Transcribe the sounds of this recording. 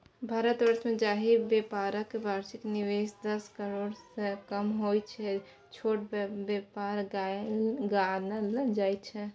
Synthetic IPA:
bʱaːɾət̪ʋəɾsmẽd͡ʒaːɦibjepaːɾəkːebʱaːɾʃɪkniʋeːsd̪əskəɾoːɽsekəmɦojt͡ʃʰɛ | t͡ʃʰoːʈ̚bbepaːɾɡ | ɡanaləd͡ʒaːit͡ʃʰɛ

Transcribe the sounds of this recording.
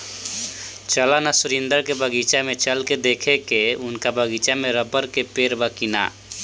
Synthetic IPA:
t͡ʃəlanasʊɾind̪əɾkebəɡit͡ʃamet͡ʃəlked̪ekʰekeʊnkabʱəɡit͡ʃameɾəbəɾkepeːɾbəkina̰

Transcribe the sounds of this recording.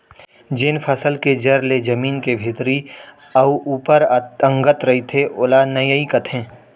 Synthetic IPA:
d͡ʒeːnpʰɐsəlked͡ʒɐɾled͡ʒɐmiːnkebʱɪt̪ɾi | ɐuʔuːpəɾə̃ŋɡət̪ɾɐit̪ʰeʔʊlanɐjəikət̪ʰẽː

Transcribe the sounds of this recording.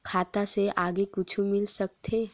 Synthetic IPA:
kʰaːt̪aseʔaːɡekʊt͡ʃʰumɪlsɐk̚t̪ʰeː

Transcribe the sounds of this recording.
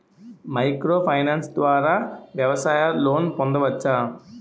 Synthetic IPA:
mɐjkɾoːpʰɐjnaːnsd̪ʋaːɾaːʋjɐʋɐsaːjɐlo̞ːnpond̪ɐʋɐt͡ʃːaː

